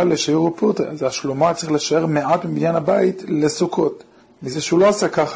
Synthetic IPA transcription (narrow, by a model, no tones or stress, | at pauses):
aleʃajuʁuput̪ḭazaʃlumatt͡sʁiχleʃae̞ʁmeatbiminjanhabaitle̞sukʰo̞t | mizeʃeuloasakaχ